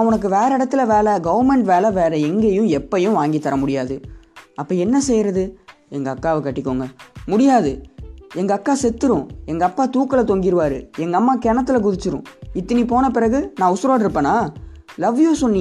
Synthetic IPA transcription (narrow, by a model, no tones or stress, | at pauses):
nʊnɐk̬ːɯʋeːɾɐɪɽɐt̪ːɯlɐʋeːlɛɡɐʋɐɾmɛɳʈʋeːlɐʋeːɾɐɛŋɡejʊ̃ɛpːɐjʊ̃ʋaːŋɡit̪ːɐɾɐmʊɽɪjaːðɯʔɐpːɐːɛnːɐsɛjɾɐðɯ | ɛŋɡɐːkːaːʋɐkɐʈːɪkːoːŋɡɐmʊɽɪjaːðɯɛŋɡɐːkːaːsɛt̪ːɯɾʊ̃ɛŋɡɐːpːaːt̪uːkːɐlɐt̪ɔŋɡɪɾɯʋaːɾɯɛŋɡɐmːaːkɛːɳɐt̪ːɯlɐk̬ʊðɪt͡ʃːɯɾʊ̰̃ɪt̪ːɐnipoːnɐpɪɾɐɣɯnãːʊsɪɾaːɽɪɾɯpːɐnaː | lɐʋːɪjõːsɔnːɪ